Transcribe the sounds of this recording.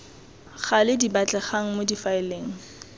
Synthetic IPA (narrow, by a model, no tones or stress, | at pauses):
χalɪdibat͡ɬʼɛχaŋ̩modifaɪleːŋ̩